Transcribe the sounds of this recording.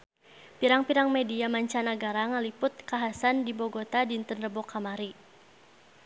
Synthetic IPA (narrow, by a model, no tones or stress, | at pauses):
piɾaŋpiɾaŋmɛdiamaɲt͡ʃanaɡaɾaŋalipʊt̪̚kaɦasandibɔɡɔt̪adint̪ənrəbɔkʰamaɾi